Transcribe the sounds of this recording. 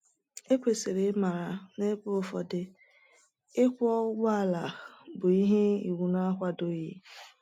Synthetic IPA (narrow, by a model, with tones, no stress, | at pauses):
e˦kʷe˨se˨ɾe˨˦ma˨ɾa˨ne˦pʊ˦fɔ̰˨dɪ˨ | ɪ˦kʷɔ˦ɡa˦˨la˨bʊ˨i˦ɦe˦i˨wu˨n˦a˦kʷa˦do˦ji˦